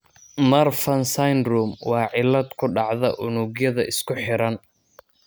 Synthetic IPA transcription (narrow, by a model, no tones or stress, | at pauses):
mɐrfɐnsajnruːmwɑːʕɪlːɐd̪kʰʊɖɑʕðɐʔʊnuɡjɐðɐʔɪskʰʊħɪɾɐn